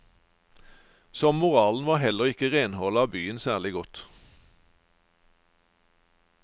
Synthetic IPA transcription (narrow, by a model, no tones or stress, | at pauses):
sɔmmʊʁɑːln̩ʋɑːhɛləʁɪkəʁeːnhɔːlɑːbyːənsæːʁlɪɡɔt̪